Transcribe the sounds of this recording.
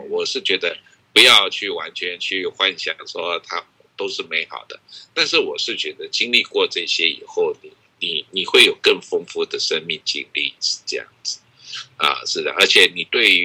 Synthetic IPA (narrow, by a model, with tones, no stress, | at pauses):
wɔ˨˩ʂɻ̩˥˩t͡ɕɥɛ˧˥d̪ə˧ | pu˧˥jɑ˥˧ʊt͡ɕʰy˥˩wa˧˥nt͡ɕʰɥɛ˧˥nt͡ɕʰy˥˧xwa˥˧nɕja˥˩ʂwɔ˥t̪ʰa˥˨t̪o˥ʊʂɻ̩˥˩me˧˥ɪxɑ̰˨˩ʊd̪̥ə˦t̪a˥˧nʂɻ̩˥˩wɔ˨˩ʂɻ̩˥˩t͡ɕɥɛ˧˥d̪ə˧t͡ɕi˥ŋli˥˧kwɔ˥˧ʈ͡ʂɤ˥˩ɕjɛ˥ḭ˨˩xo˥˩ʊni˨˩˦ | ni˨˩ni˨˩xwe˥˩ɪjo˨˩ʊkə˥˩ŋfɤ˥ŋfu˥d̪ə˨ʂə˥nmi˥˧ŋt͡ɕḭ˥nlḭ̥˥˩˨ʈ͡ʂɤ˥˧jɑ̰˥˩ŋd͡zɹ̩˩ | ə̰˧ʂɻ̩˥˩d̪ə̰˩ʔə˞˧˥t͡ɕʰjɛ˨˦ni˨˩t̪we˥˩ɪ˧